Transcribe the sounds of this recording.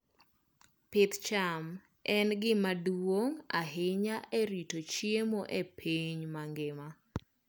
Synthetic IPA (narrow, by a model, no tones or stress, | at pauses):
pɪt̪t͡ʃam | ɛnɡɪmadwoŋa̰ɦɪɲaʔeɾitot͡ʃjemoʔepʰiɲmaŋɡɪma